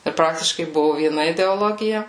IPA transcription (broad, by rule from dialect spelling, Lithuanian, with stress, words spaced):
ɪr ˈprɑːktʲɪʃkɐɪ ˈbʊʋʊ ʋʲiɛˈnɐ ɪdʲɛoːˈlˠoːɡʲɪjɛ